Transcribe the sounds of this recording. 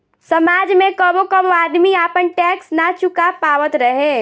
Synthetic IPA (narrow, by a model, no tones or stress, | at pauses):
sɐmaːd͡ʒmẽkɔbokəboaːd̪miaːpənʈɛːksnat͡ʃʊkapaːʋət̪ɾəɦẽː